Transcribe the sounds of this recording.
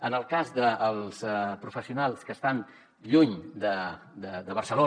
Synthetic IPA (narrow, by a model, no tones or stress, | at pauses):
ənəlˠkazd̪əːlˠspɾufəsiunalˠskəst̪an | ʎuɲd̪əd̪əd̪əβ̞ərsəlo